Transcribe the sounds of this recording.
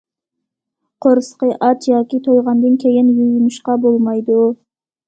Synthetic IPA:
qʰoɾsqəʔɑt͡ʃ̪jɑːkʲit̪ʰojʁɑnd̪ɨnkʲʰejɪnjujnɨʃqɑbolˠmɑjd̪u

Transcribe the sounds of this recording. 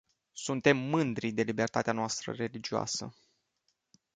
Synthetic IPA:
sunt̪e̞mːɨnd̪ɾid̪e̞libe̞rt̪at̪eanoast̪ɾə̰re̞lid͡ʒioa̰sə̰

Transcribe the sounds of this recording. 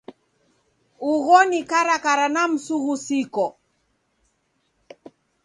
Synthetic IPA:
uɣɔnikaɾakaɾanam̩suɣusikɔ

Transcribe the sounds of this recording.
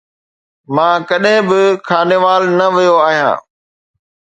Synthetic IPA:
mãːkɐɗɦɪ̃bɪkʰaːneʋaːlnɐʋijoaːɦijã̰ː

